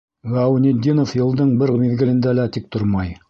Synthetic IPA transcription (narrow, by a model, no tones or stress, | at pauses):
ʁɑwnʲed̪ʲːinofjɤ̆lˠd̪ɤɴbɘɾmiðɡɘ̆lɘ̆nd̪ælæt̪ik̚t̪oɾmɑj